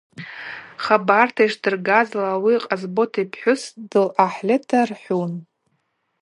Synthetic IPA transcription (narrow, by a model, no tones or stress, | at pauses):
χabartʰaiʂdɨrɡazlaːwiqʼazbo̞tʰipʰħʷᶣʊsdɨlaħlʲetʰarħʷun